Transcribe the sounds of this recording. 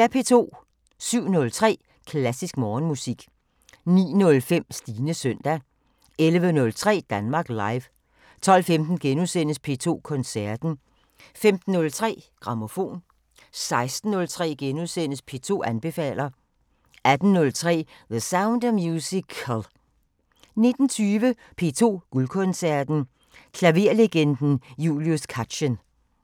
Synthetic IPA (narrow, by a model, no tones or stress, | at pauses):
æɐpʰe̝̰ːt͡sʰo̝̰ː | syʊ̰nɔ̽lt͡sʰʁɛ̰ː | kʰlæsisɡ̥mɒːnmusiɡ̥ | nḭːnɔ̽lfem̰sd̥iːnəsœn̰d̥æ | elʋənɔ̽lt͡sʰʁɛ̰ːd̥ænmɑ̈ːɡ̥lɑ̈ɪʋ | t͡sʰɒ̽l̰femd̥n̩ɡ̥enuðˠsen̰əspʰe̝t͡sʰo̝̰ːkʰɔ̽nsæɐd̥n̩ | femd̥n̩ːɔ̽lt͡sʰʁɛ̰ːɡ̥ʁɑ̈mo̝fo̝̰ːn | sɑ̈ɪsd̥n̩ːɔ̽lt͡sʰʁɛ̰ːɡ̥enuðˠsen̰əspʰe̝̰ːt͡sʰo̝̰ːænb̥e̝fɛ̰ːlɐ | ʔæd̥n̩ːɔ̽lt͡sʰʁɛ̰ːðəsäʊnd̥mjuːsikʰəlˠ | ne̝d̥n̩t͡sʰyːʋə | pʰe̝ːt͡sʰo̝̰ːɡ̥ulkʰɔ̽nsæɐd̥n̩ | kʰlæʋe̝ɐleɡ̥end̥n̩jṵːliuskʰædɕən